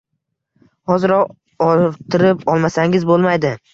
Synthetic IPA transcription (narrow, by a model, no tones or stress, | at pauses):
hɒzɪɾɒq | ɒt̪ʰɪɾɪpʰɒlˠmasaŋɪzbolˠmajd̪ɪ